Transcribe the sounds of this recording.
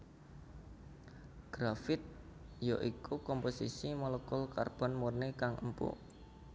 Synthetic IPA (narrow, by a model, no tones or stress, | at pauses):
ɡ̥ɾafɪt̪̚joʔikukɔmposisimələkʊlkarb̥ɔ̤nmurnikaŋʔə̰mpṵ